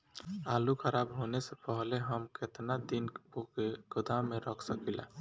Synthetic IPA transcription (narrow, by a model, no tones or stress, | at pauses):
alukʰəɾabɦonesepəɦleɦəmket̪nad̪inpokeɡʊd̪ameɾəkʰsəkila̰